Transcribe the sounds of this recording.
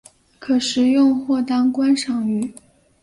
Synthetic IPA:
kʰɤ˨˩ʂɻ̩˧˥jʊ˥˧ŋxwɔ˥˩t̪ɑ˥ŋkwa˥nʂɑ˨˩ŋy˨˩

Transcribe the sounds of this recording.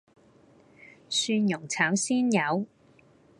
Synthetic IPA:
syː˧njʊ˨˩ŋt͡sʰaː˨˥wsiː˥njɐ˨˧w

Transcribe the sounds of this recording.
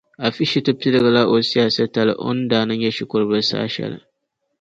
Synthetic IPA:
ʔa˨ɸi˦ʃi˦tɐ˦pi˦dɐ˨ɡɐ˨la˦ʔo˨si˦ja˨sɐ˦tɐ˨la̰˨ʔʊ̰˦ndaː˨nɐ˦ɲjɐ˦ʃɪ˦kʷʊ˦ɾbɐ˦sa̰ː˦ʃɐ̰˦˨la̰˨

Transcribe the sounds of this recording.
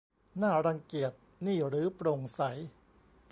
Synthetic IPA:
naː˥˩ɾa˧ŋki˨˩ət̪̚niː˥˩ɾɯː˩˦pɾo˧ŋsa˩˦j

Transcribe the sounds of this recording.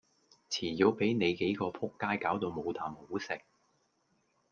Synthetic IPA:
t͡sʰiː˨˩jo˨˧wpe˨˥jne˨˧jke˨˥jkɔː˧pʰʊ˥kːaː˥jkaː˨˥wt̪o˧wmo˨˧wt̪ʰaː˨˩mho˨˥wsɪ˨k̚

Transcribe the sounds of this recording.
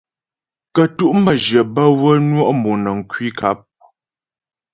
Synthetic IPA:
kə˨tu˦ʔm̩bə˨d͡ʒjə˨bə˦wə˦nwɔ˦ʔmo˨nə˨ŋ̩˨kwi˦kʰa˦p̚

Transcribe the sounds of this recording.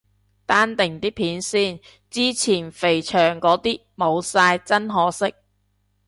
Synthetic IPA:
t̪aː˥nt̪ɪ˨˩ŋt̪iː˥pʰiː˨˥nsiː˥˩n | t͡siː˥t͡sʰiː˨˩nfe˨˩jt͡ʃʰœː˨˩ŋkɔː˨˥t̪iː˥ | mo˨˧wsaː˧jt͡sɐ˥nɦɔː˨˥sɪ˥k̚

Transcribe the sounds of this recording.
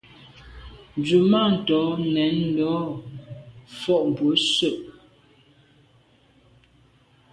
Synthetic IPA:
n˨d͡zu˨ma˦˨n̩˨tɔ˨˦nɛ˨˦n˦dɔ˨˦ | fɔ˦˨ʔm˨bwə˨˦sə˦˨ʔ

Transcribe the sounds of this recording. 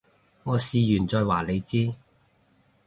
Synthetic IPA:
ŋɔː˨˧siː˨˧jyː˨˩nt͡sɔː˧jwaː˨˩le˨˧jt͡siː˥

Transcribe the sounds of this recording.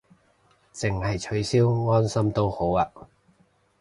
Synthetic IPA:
t͡sɪ˨ŋhɐ˨jt͡ʃʰɵ˨˥ɥsiː˥wŋɔː˥nsɐ˥mt̪o˥who˨˥waː˧

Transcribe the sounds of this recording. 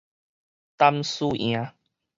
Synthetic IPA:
t̪a˦msu˦ʔj̰̃ã˨˦

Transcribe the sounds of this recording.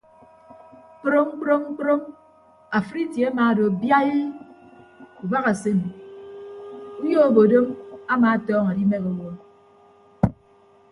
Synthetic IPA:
k͡pɾo˦ŋ͡m̩˦k͡pɾo˦ŋ͡m̩˦k͡pɾo˦m | a˨fɾi˦tje˨a˦ma˨do˨bja˦je˦ | u˨ba˦ɣa˨se˦nu˨ | u˦jo˦o˦bo˨do˦ma˦maː˨a˦tɔː˦ŋa˨di˦me˦kɔ˨wɔ˦

